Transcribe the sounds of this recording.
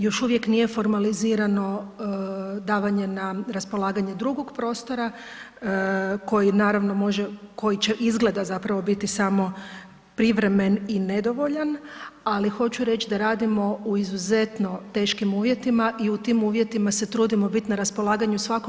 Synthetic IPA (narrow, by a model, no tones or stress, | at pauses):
jo̞ʃuʋje̞knije̞fo̞ɾmaliziːɾano̞ | d̪aːʋaɲe̞naɾaspo̞lˠaːɡaɲe̞d̪ɾuɡo̞ɡpɾo̞ːst̪o̞ɾa | ko̞jinaːɾaʋno̞mo̞ʒeko̞jit͡ɕe̞ʔizɡle̞d̪azapɾaʋo̞bit̪isamo̞ | pɾiʋɾe̞me̞nine̞d̪o̞ʋo̞ʎanalixo̞t͡ɕuɾe̞t͡ʃd̪aɾaːd̪imo̞uizuze̞t̪no̞t̪e̞ːʃkimuːʋjet̪imaʔiut̪iːmuːʋje̞t̪imase̞t̪ɾuːd̪imo̞bit̪naɾaspo̞laːɡaɲusʋako